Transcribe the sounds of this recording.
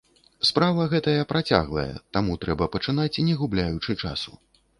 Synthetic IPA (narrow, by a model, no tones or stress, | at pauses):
spɾavɐɣɛt̪ɐjɐpɾat͡sʲa̰ɣlˠɐ̰jɛ̰t̪amut̪ɾɛbɐpɐt͡ʂɨnat͡sʲnʲɛɣublʲajut͡ʂɨt͡ʂa̰su